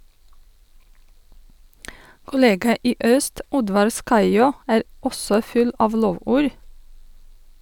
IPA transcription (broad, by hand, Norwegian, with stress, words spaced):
kʊˈleːɡɑ ˈiː ˈøːst ˈɔdʋɑɾ ˈskɑɪjoː ˈæːɾ ˈɔsɔ ˈfʉl ˈɑːʋ ˈloːʋuːɾ